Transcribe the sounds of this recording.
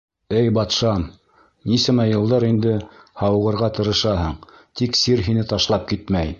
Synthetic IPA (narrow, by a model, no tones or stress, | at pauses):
ɘjbɑt̪ʃɑm | nisɘmæjɤ̆lˠd̪ɑɾind̪ɘhɑwʁɤ̆ɾʁɑt̪ɤ̆ɾɤ̆ʃɑɦɤɴt̪iksiɾɦinɘt̪ɑʃlˠɑp̚kit̪mæj